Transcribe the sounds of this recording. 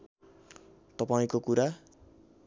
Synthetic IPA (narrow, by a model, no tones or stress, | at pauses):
t̪ʌpaĩkokuɾa